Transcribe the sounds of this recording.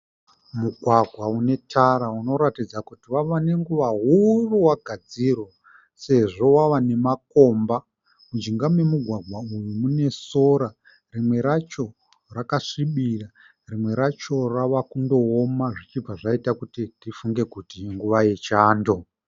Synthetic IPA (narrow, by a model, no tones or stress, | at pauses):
muɡʱwaɡʱwaune̞tʰaɾauno̞ɾatid͡zakutiwaʋane̞ŋɡuʋaɦuruwaɡʱad͡zirwo | se̞ʐo̞waʋane̞mako̞ːmba | mud͡ʒiŋɡamwe̞muɡʱwaɡʱwaujumune̞so̞ɾa | rimwe̞ɾat͡ʃo̞ | rakaʂiɓira | rimwe̞ɾat͡ʃo̞raʋakundo̞omaʐit͡ʃib͡vaʐaitakutitifuŋɡe̞kutiŋɡuʋajet͡ʃaːndo̞